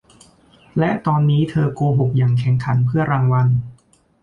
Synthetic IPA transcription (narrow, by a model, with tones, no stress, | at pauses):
lɛ˦˥ʔt̪ɔː˧nːiː˦˥t̪ʰɤː˧kuː˧ɦu˨˩k̚jaː˨˩ŋkʰɛ˨˩ŋkʰa˩˦npʰɯ˥˩ɐɾaː˧ŋwa˧n